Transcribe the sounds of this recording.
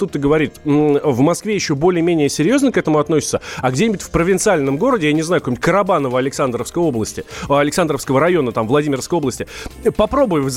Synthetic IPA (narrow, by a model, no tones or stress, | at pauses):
t̪ut̪ːɨɡəvɐɾʲit̪vmɐskvʲejɪɕːo̞bo̞lʲɪjəmʲenʲɪjəsʲɪɾʲjo̞znəkɛt̪əmʊɐt̪nosʲɪ̥t̪səɐɡdʲenʲɪbʊtʲfpɾəvʲɪnt̪sɨalʲnəmɡo̞ɾədʲɪjanʲɪznajʊkɐkmʊ̥tʲkəɾɐbanəvəɐlʲɪksand̪ɾəfskəjo̞blˠəsʲtʲɪɐlʲɪksand̪ɾəfskəvəɾɐjo̞nət̪amvlˠɐdʲimʲɪrəskəjo̞blˠəsʲtʲɪpɐpɾo̞bʊjvɨz